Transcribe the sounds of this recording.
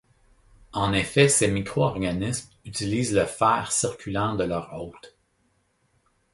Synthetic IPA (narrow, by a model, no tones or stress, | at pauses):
ɑ̃nefɛsemikʁoɔʁɡanɪsm | yt̪iliːzləfɛːʁsiʁkʲʰylɑ̃d̪əlœʁɔt̪